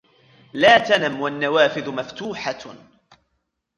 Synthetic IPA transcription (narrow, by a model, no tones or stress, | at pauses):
laːt̪anamwanːawaːfɪðʊmaft̪uːħa